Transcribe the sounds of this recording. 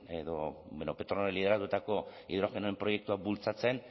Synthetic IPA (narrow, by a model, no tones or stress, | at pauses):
e̞ðo̞benope̞t̪ɾonoɾelið̞e̞ɾat̪ut̪ako̞ḭðuɾaɣenoempɾo̞je̞k̚t̪uabult͡sat͡se̞n